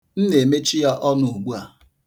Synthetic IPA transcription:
n̩˦ne˨me˦t͡ʃi˦ja˦ʔɔ˦nʊ˨u˨ɡ͡bu˦a˨

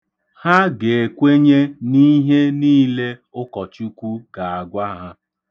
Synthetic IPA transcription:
ha˦ɡe˨e˨kʷe˦ɲe˦ni˦ɦe˦niː˦le˦ʊ˦kɔ˨t͡ʃu˦kʷu˦ɡ̥a˨a˨ɡʷa˦ɦa˦

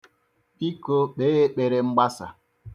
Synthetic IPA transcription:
i˦ko˦ɓe˦e˦k͡pe˨ɾe˨ŋ͡m̩˦ɡ͡ba˦sa̰˨

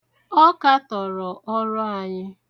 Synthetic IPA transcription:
ɔ˦ka˦tɔ˨ɾɔ˨ʔɔ˦ɾɔ˦a˨ɲɪ˦

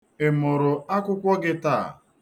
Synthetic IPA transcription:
ɪ˨mʊ˨ɾʊ˨a˦kʷʊ˦kʷɔ˦ɡɪ˦taː˦˨

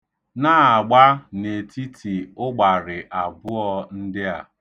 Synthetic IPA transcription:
na˦˨a˨ɡ͡ba˦ne˨tʰi˦tʰi˨ʊ˦ɡ͡ba˨ɾɪ˨ʔa˨bʊ˦ɔ˦n̩˦dɪ˦a˨

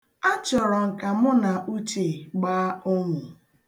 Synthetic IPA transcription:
a˦t͡ʃɔ˨ɾɔ˨ŋ̩˨ka˨mʊ˦na˨ʔu˦t͡ʃe˨ɡ͡baː˦ʊ˦ŋʷʊ˨

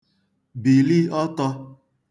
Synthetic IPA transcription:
bi˨li˦ɔ˦tɔ˧

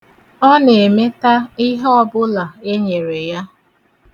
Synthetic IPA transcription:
ɔ˦ne˨e˨me˦ta˦i˦ɦɔ˦bʊ˦la˨e˦ɲe˨ɾe˨ja˦

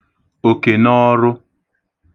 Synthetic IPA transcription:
o˨ke˨nɔ˦ɾʊ˦

